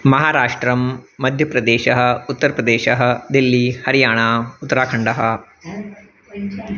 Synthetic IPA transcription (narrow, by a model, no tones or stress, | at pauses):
mɐɦaːɾaːʂʈɾɐmːɐd̪ʱjɐpɾɐd̪eːʃɐɦɐ̆ut̪ːɐɾɐpɾɐd̪eːʃɐɦɐ̆d̪ilːihɐɾijaːɳaːut̪ːɐɾaːkʰɐɳɖɐɦɐ̆